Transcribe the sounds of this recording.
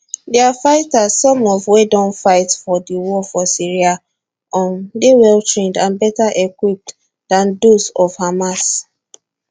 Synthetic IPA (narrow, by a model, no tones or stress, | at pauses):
dɛafaɪtazsɔ̃mɔvwedɔ̃nfaɪtfɔdiwɔfɔsiɹia | ɔ̃ndewɛltɹẽndãnbɛtaʔekwip̚t | d̥ãndosɔvhamas